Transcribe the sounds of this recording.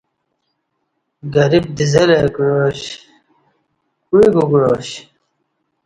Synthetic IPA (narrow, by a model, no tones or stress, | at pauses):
ɡɐɾib̚d̪izɐlekɻoɕ | kuiɡuɡɻoːɕ